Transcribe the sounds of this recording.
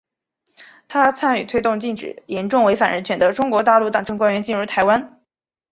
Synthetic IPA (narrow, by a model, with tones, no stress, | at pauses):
t̪ʰa˥t͡sʰa˥ny˨˩t̪ʰwe˥ɪt̪ʊ˥˧ŋt͡ɕi˥˩nʈ͡ʂɻ̩̰˨˩jɛ˧˥nʈ͡ʂʊ˥˩ŋwe˧˥ɪfa˨˩ɻə˧˥nt͡ɕʰɥɛ˧˥nd̪ə˧ʈ͡ʂʊ˥ŋkwɔ˧˥t̪a˥˧lu˥˩t̪ɑ˨˩ŋʈ͡ʂɤ˥ŋkwa˥nɥɛ˧˥nt͡ɕi˥˩nɻu˧˥˩t̪ʰa˧˥ɪwa˥n